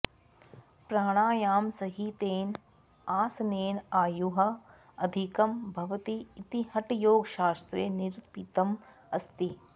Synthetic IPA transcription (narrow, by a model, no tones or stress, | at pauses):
pɾaːɽ̃aːjaːmsɐɦit̪eːn | aːsɐneːnaːjuɦɐ̆ | ɐd̪ʱikɐmbʱɐʋɐt̪iːt̪ihɐʈjoːɡʃaːst̪ɾeːniɾut̪pit̪ɐm | ɐst̪i